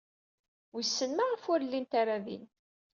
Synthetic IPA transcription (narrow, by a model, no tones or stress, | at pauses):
wisːənmaʁəfʊɾlːint̪aɾaðḭn